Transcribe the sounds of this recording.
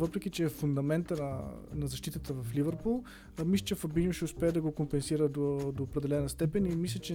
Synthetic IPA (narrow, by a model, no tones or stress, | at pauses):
vɤpɾɛk̟it͡ʃɛfund̪ɐmɛnt̪ənɐnɐzɐʃt̪it̪ət̪əvɐflivəɾpulˠ | mislʲət͡ʃɛfɐbinoʃɛʊspɛːɛd̪ɐɡokompɛnsiɾəd̪od̪oːpɾɛd̪ɛlɛnəst̪ɛpɛnimislʲət͡ʃɛ